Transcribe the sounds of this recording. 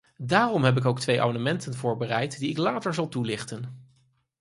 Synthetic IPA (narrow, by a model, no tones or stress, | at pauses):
daːrɔmɦɛp̬ɪkowk̚tʋejʔa̰mandəmɛntənvʊːɹbərɛjtdiɪklaːtəɹzɑlˠtulɪχtən